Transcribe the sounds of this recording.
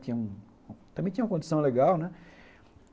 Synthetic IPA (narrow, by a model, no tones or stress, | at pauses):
t̪ĩɲɐũ | t̪ɐ̃mbẽt̪ĩɲũɐkõd͡ʒ̪isɐ̃w̃leɡawnɛ